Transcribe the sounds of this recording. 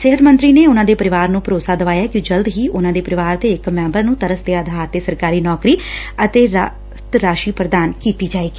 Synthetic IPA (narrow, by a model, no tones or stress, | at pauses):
sɪɦət̪mə̃nt̪ɾiːneːʊnãːd̪eːpəɾɪʋaːɾnũːpəɾoːsaːd̪əʋaːjaːkid͡ʒəld̪ɦiːʔʊnãːd̪eːpəɾɪʋaːɾd̪eːɪkmɛ̃ːmbəɾnũːt̪əɾəsd̪eːəd̪ʱaːeːsəɾkaːɾiːnɔːkɾiːət̪eːɾ | t̪ɾaːʃiːpɾəd̪aːnkiːt̪iːd͡ʒaːeːɡiː